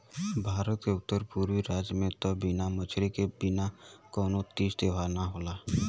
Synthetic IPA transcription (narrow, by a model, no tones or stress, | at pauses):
bʱaːɾət̪keʊt̪ːəɾpuːɾwiɾaːd͡ʒjəmẽt̪ɔbɪnamət͡ʃʰɾikebɪnakɔːnot̪iːsd̪eːʋaːnaɦoːlaː